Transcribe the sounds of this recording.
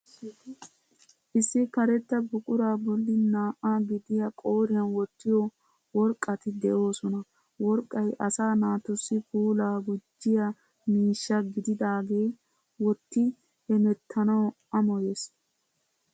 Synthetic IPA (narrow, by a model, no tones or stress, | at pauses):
ʔɪsːɪkɐɾɛt̪ːɐbʊkʼʊɾaːbɔlːɪnaːʔaɡɪd̪ɪjɐkʼoːɾɪjɐnwɔt̪ːɪjɔ | wɔɾkʼːɐt̪ɪd̪ɛʔo̞ːsɔnɐ | wɔɾkʼːɐjʔɐsaːnaːt̪ɔsːɪbuːlaːɡʊd͡ʒːɪjɐ | miːʃːɐɡɪd̪ɪd̪aːɡe̞ː | wɔt̪ːɪ | hɛmɛt̪ʰːɐnɐw | ɐmɔjeːs